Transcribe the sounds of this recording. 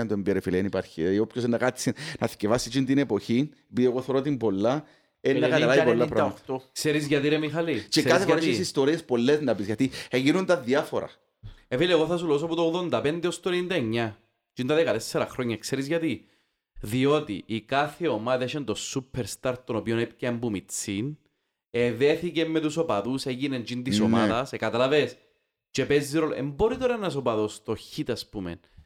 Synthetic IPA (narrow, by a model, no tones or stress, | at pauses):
ɐnt̪oembeɾefilenipaɾçiopçosenːɐkat͡sːinɐθcevɐsːit͡ʃint̪inepo̞çinepiðieɣoθoɾot̪̬imbolːɐ | enːɐɐlaipolːɐɾɐt̪okseɾizʝɐt̪iɾemixɐlit͡ʃekaθefoɾeʃsist̪oɾiespo̞lːeznɐpisʝɐt̪ieʝinunt̪ɐðiɐfoɾɐ̰ | evilieɣoθɐsuloos̬oput̪oɣðo̞nd̪ɐpend̪eost̪onind̪ɐeɲːɐ | d͡ʒint̪ɐðekɐt̪esːeɾɐxɾoɲːɐekseɾizʝɐt̪i | ðio̞t̪ḭʔːkaθeo̞maðeʃent̪o̞supʰːeɾst̪aɾt̪onopionep̚cːɐembumit͡sːin | eðeθicemːet̪uso̞pɐðuseɣinend͡ʒint̪isoma̰ðɐsekɐt̪ɐlɐves | t͡ʃepezːiɾolḛmboɾit̪oɾɐenɐs̬opɐðost̪o̞çit̪ɐspumḛn